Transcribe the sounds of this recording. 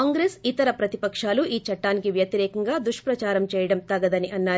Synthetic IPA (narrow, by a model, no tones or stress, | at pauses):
kaːŋɡɾeːsit̪ɐɾɐpɾɐt̪i̥pɐkʂaːluʔiːt͡ʃɐʈːaːnikiʋjɐt̪iɾɛːkɐŋɡaːd̪ɾuʂpɾɐt͡ʃaːɾɐmt͡ʃɛːjɐɽɐmt̪ɐɡɐd̪ɐniʔɐnːaː